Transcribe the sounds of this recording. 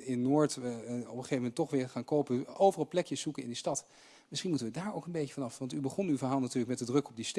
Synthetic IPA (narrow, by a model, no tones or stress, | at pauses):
ɪnːoːɹtɔpəχejvəmɛntɔχʋɪːɹχaːnkowpəowvərɑlˠplɛkjəszukənɪ̰ndistɑt | mɪsχinmutənʋədaːɹo̰wkənbejkəvɑnɑfʋɑntybəχɔnywvəɹɦaːlˠnatyːɹləkmɛtdədrɵkɔb̚dist